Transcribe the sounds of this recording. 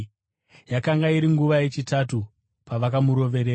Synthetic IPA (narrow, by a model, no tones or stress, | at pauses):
jakaŋɡaiɾiŋɡuʋaje̞t͡ʃitatu | paʋakamuɾo̞ʋe̞ɾeːr